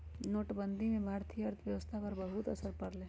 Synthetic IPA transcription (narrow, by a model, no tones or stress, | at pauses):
noːʈbə̃nd̪ʱimẽbʱaːɾt̪ʰijɐɾt̪ʰʋjɐʋəst̪ʰapɐɾbɐɦut̪ɐsəɾpɐɾlẽː